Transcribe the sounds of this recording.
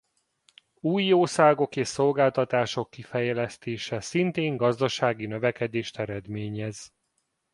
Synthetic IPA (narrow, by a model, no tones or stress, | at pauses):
uːjoːsaːɡo̞keːʃso̞lɡaːlt̪ɒt̪aːʃo̞kːifɛjɛlɛst̪eːʃɛsint̪eːŋɡɒzd̪ɒʃaːɡinø̞vɛkɛd̪eːʃt̪ɛɾɛd̪meːɲɛz̥